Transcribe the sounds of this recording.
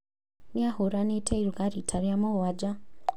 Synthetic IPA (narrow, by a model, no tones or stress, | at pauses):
niahoɾanetʰeiɾuɡaɾitʰaɾijamowad͡ʒa